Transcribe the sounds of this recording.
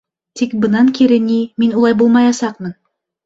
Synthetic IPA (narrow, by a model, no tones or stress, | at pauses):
t̪ikbɤ̆nɑŋkiɾɘniminulˠɑjbulˠmɑjɑsɑqmɤn